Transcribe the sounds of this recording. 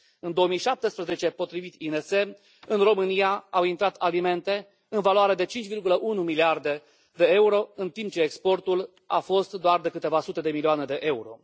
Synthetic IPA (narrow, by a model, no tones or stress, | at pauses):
ɨnd̪o̞əmijʃap̚t̪espɾeze̞t͡ʃe̞po̞t̪ɾivit̪inese̞ | ɨnro̞mɨnijaawint̪ɾat̪alime̞nt̪e̞ | ɨnvaloaɾed̪e̞t͡ʃint͡ʃʲvirɡuləʔunumiliard̪e̞ | d̪e̞euɾo̞ɨnt̪imp̚t͡ʃe̞ːkspo̞rt̪ul | a̰fo̞st̪d̪oard̪e̞kɨt̪e̞vasut̪e̞d̪e̞milioane̞d̪e̞ʔe̞uɾo̞̰